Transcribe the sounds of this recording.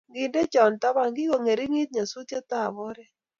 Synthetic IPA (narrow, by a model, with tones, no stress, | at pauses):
ŋɡɪ˨nde˦t͡ʃɔ˨ntɔ˦ba˨ŋɡɪ˦ko˨ŋe˨ɾi˦ŋi˦t̪̚ɲa˨su˦t̪jɔ˦t̪a˦˨bɔ˦ɾɛ˦